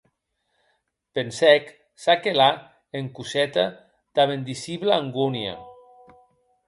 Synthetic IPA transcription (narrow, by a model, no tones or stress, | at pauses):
pensɛk | sakela | eŋkusɛt̪a | d̪̥aβend̪isiβlaːŋɡunja̰